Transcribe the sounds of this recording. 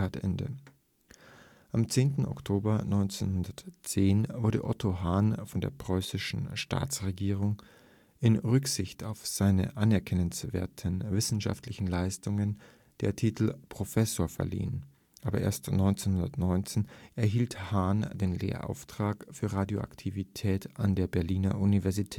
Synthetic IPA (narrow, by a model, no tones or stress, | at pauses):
aːtʔɛ̰ndə̰ | ʔamt͡seːntn̩ɔ̰ktʰoːbɐnɔʏnt͡senhʊndɐtt͡seːnvʊɐdə̰ʔɔtʰoɦaːnfɔndḛːɐpʁ̥ɔʏsɪʃn̩ʃta̰ːt͡sʁeɡiːʁ̞ʊŋ | ʔɪnʁʏkz̥ɪçtaʊfz̥aɪnə̰ʔanɛɐkʰɛnənsv̥ḛːɐtʰənvɪsn̩ʃa̰ftlɪçn̩laɪstʊŋən | d̥eːɐtʰiːtl̩pʁ̥ofɛsoːɐfɛ̰ɐlḭːən | ʔaːbɐʔḛːɐstnɔʏnt͡senhʊndɐtnɔʏnt͡seːnɛɐɦiːlthaːnd̥eːnlḛːɐʔa̰ʊftʁ̥aːkfyːɐʁaːdjoʔa̰ktʰivitʰɛːtʔandeːɐbɛɐliːnɐ̰ʔunivɛɐzitʰɛːt